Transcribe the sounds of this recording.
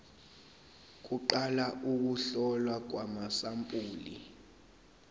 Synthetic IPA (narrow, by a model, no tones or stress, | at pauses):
k̬uǃalaʔuk̬uɬɔlwak̬wamasampʼuːlḭ